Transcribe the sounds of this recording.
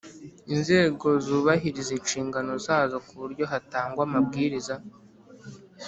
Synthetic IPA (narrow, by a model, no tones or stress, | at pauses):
inze̞ːɡo̞zuːβaɦiɾizinʃiːŋɡano̞zaːzo̞kuβuɾɟo̞ɦataːŋɡwamab̚ɡiːɾiza